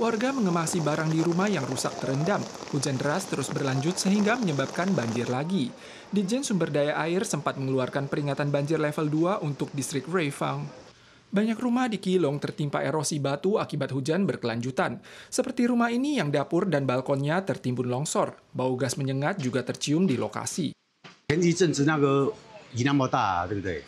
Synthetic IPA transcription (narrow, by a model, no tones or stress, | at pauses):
warɡaməŋəmasibaɾaŋdiɾumahjaŋrusak̚t̪əɾəndamhud͡ʒandəɾast̪əɾʊsbərlaɲd͡ʒʊt̪̚səɦiŋɡaməɲəbap̚kanbaɲd͡ʒɪrlaɡi | did͡ʒɛnsumbərdajaʔaɪrsəmpat̪̚məŋəluarkanpəɾiŋat̪anbaɲd͡ʒɪrlɛfəlduaʔunt̪ʊk̚dist̪ɾɪk̚refaŋ | baɲakrumahdikilɔŋt̪ərt̪impa̰ʔeɾosibat̪uakibat̪̚hud͡ʒanbərkəlaɲd͡ʒut̪ansəpərt̪iɾumahinijaŋdapʊrdanbalkɔnɲat̪ərt̪imbʊnlɔŋsɔrbauɡasməɲəŋat̪̚d͡ʒuɡat̪ərt͡ʃiʊmdilo̰ka̰si | kɛnd͡ʒit͡ʃənsənakəɡinamot̪a̰t̪uɡit̪ṵ